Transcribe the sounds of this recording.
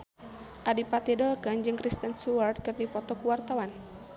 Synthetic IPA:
ʔadipat̪idɔlkand͡ʒɨŋkɾist̪ənsuart̪̚kɨrdipɔt̪ɔkuwart̪awan

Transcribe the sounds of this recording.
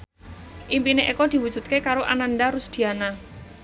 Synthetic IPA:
ʔimpineʔikɔd̪̥i̤wu̥d͡ʒ̥ṳt̪̚kekaɾoʔananɖaɾusd̪̥i̤ana

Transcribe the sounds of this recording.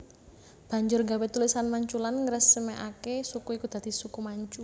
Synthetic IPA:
b̥a̤ɲd͡ʒʊrɡawɛt̪ulisanmaɲt͡ʃulanŋəɾəsːəmeʔakesukuikud̪̥ä̤d̪̥isukumaɲt͡ʃu

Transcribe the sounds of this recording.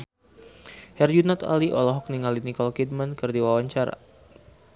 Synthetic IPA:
hɛrd͡ʒunat̪a̰liʔɔlɔɦɔk̚niŋalinikɔlkid̪̚mankɨrdiwawaɲt͡ʃaɾa̰

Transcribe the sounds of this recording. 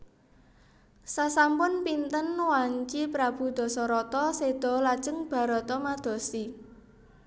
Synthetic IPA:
sasampʊnpint̪ənwaɲt͡ʃipɾab̥ṳd̪̥ɔ̤sɔɾɔt̪ɔsed̪̥ɔ̤lḁʒ̥əŋb̥ä̤ɾɔt̪ɔmad̪̥ɔ̤si

